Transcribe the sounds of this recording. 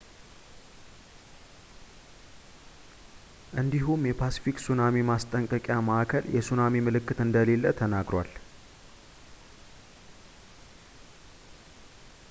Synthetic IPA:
ʔɨnd̪iɦumjɛpʰasi̥fiksunamemast̪ʼəŋkʼəkʼjaməʔakʰəljʔɛsunamemɨlɨkːɨt̪ɨnd̪əle̞lːət̪ʰənaɡɾwa̰l

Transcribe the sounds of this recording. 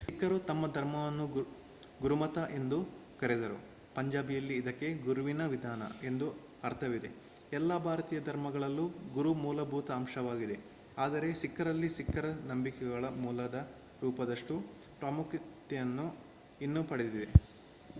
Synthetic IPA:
kːɐɾut̪ɐmːɐd̪ʱɐɾmɐʋɐnːu | ɡuɾumɐt̪ɐʔe̞nd̪ukɐɾed̪ɐɾṵ | pɐɲd͡ʒaːbijɐlːiːd̪ɐkːe̞ɡuɾuʋinɐʋid̪ʱaːnɐ̰e̞nd̪u | ɐɾt̪ʰɐʋid̪e̞̰ | ɛlːɐbʱaːɾɐt̪iːjɐd̪ʱɐɾmɐɡɐɭɐlːuɡuɾumuːlɐbʱuːt̪ɐːmʃɐʋaːɡid̪e̞ | aːd̪ɐɾe̞sikːɐɾɐlːisikːɐɾɐnɐmbikɛɡɐɭɐmuːlɐd̪ɐ | ɾuːpɐd̪ɐʂʈu | pɾɐmukʰit̪ːɛjɐnːu | inːupɐɽed̪id̪e

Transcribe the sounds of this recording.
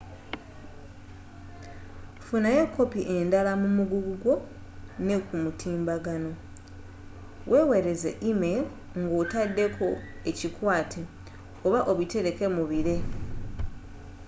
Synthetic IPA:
funaje̞kʰːo̞piʔe̞ndalamumuɡuɡuɡwo̞ | ne̞kumutʰiːmbaɡano̞ | wʔe̞we̞ɾe̞zḛʔime̞ | ŋɡotadːe̞kʰo̞ | e̞cikwaːtʰe | oβaʔoβite̞ɾe̞ke̞muβiɾe̞

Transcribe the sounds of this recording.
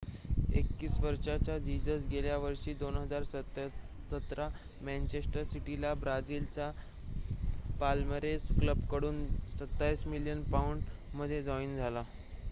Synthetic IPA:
ḛkːiːsʋəɾʂat͡ɕjad͡ʑid͡zəsɡeljaʋəɾʂiːd̪onɦəd͡zaɾsə | sət̪ɾa | mɛ̃nt͡ɕesʈəɾsiʈilabɾad͡ziːlt͡sa | palməɾeskləbkəɽuːnsət̪ːaiːsmiljənpauɳɖməd̪ʱːjed͡zɔind͡zʱala

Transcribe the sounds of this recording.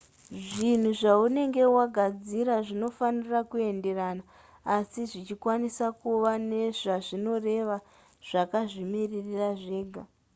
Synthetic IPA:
ʐin̤uʐaune̞ŋɡe̞waɡʱad͡ziɾaʐino̞fanirakue̞nde̞ranaː | siʐit͡ʃikwanisakuʋane̞ʐaʐino̞re̞ʋa | ʐ̥akaʐimiririraʐe̞ːɡʱa

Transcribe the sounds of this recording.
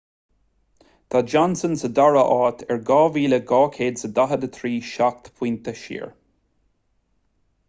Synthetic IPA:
d̪̥ad͡ʒɔnsənsədaɹəʔɔːt̪ʰəɹɡɔːviːləɡɔːkʰeːdsəd̪aɦəd̪ət̪ʰɹiːʃak̚t̪pʰw̥ĩnt̪əʃḭəɹ

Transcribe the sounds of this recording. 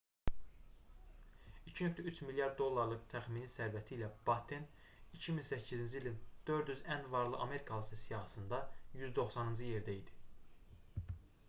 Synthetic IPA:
icʰihøk̚ʲt̪ʰæyt͡ʃmiljɑɾd̪ːo̞lˠːɑɾlˠɯkt̪ʰæχminissæɾvæt̪ʰiːlæb̥ɑt̪ʰen | icʰiminsæcʰːizind͡ʒiilind̪̥ø̞ɾd̪jyzænvɑɾlˠɯʔɑme̞ɾikʰɑlˠɯsɯsijɑhɑsɯnd̪ɑjyzd̪o̞χsɑnɯnd͡ʒɯje̞ɾd̪æid̪i̥

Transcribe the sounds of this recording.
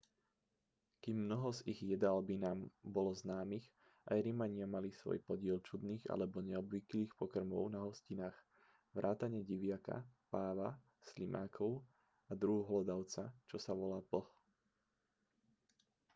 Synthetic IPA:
kiːmːnɔɦɔziɣjɛd̪albinaːmbɔlɔznaːmiɣ | ʔajɾimaɲɪamalisʋɔ̰jpɔɟɪɛlt͡ʃud̪niːɣa̰lɛbɔɲɛɔbʋikliːxpɔkr̩mɔ̰ʊnaɦɔscinaːx | ʋɾʔaːt̪aɲɛɟiʋɪaka̰paːʋa | slimʔa̰ːkʰɔʊ | ad̪ɾuɦuɦlɔd̪aʊt͡sat͡ʃɔsaʋɔlaːpl̩

